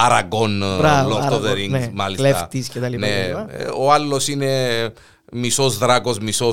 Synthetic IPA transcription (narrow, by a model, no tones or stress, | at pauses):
ɐɾɐɡonbɾɐlooðeɾiŋnemɐlislefɐt̪iscet̪ɐlipnɐeɐoɐlːosine | misozðɾɐkosmiso